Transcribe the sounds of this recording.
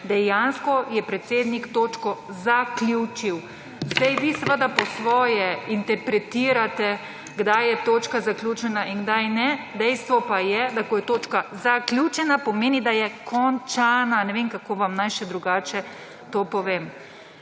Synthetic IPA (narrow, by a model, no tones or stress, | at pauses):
d̪ɛjanskɔjɛpɾɛt̪seːd̪nikt̪oːt͡ʃkɔzaklʲjut͡ʃiw | zd̪ajʋisɛʋəd̪apɔsʋɔːjɛint̪ɛɾpɾɛt̪iːɾat̪ɛ | ɡd̪ajjɛt̪oːt͡ʃkazaklʲjut͡ʃɛnaʔinɡd̪ajnɛd̪ɛjst̪ʋɔpajɛd̪akɔjɛt̪oːt͡ʃkazaklʲjut͡ʃɛnapɔmeːnid̪ajɛkʰɔnt͡ʃananɛʋemkakoːʋamnajʃɛd̪ɾuɡaːt͡ʃɛ | t̪oːpɔʋeːm